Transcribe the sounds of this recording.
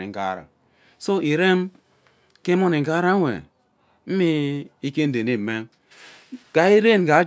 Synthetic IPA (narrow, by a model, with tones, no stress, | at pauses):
ḛ˨ŋ̩˨ɡa̰˦ɾa̰˨ | so˦ʔi˨ɾe˦m | ke˦mo˦ne˨ŋ̩˨ɡa˦ɾa˦wḛ˨ | m̩˦mi˦i˦ke˦n̩˦de˨ni˦˨me˦m | ɡ̥a˨i˦ɾe˦˨n˨ɡa˨˦